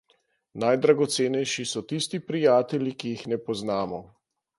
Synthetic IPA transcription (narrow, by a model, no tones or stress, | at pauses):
najd̪ɾaɡɔt̪seːnɛjʃisɔt̪ist̪ipɾijaːt̪ɛlikijixnɛpɔznaːmɔ